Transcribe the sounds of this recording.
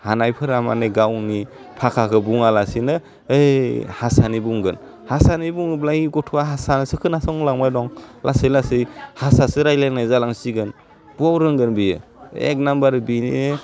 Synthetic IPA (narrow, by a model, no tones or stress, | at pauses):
hanajpʰɯɾama̰neɡawni | pʰakʰakʰɯbuŋalasinɯ | ejhasanibuŋɡɯn | hasanibuŋɯblajiɡɔtʰuwaɦasanɯsɯkʰɯnasɔŋlaŋmajdɔŋlʔasɯjlasɯjhasasɯɾajlajnajzalaŋsiɡɯn | b̥uawɾɯŋɡɯnbijɯ̰ḛk̚nambaɾbini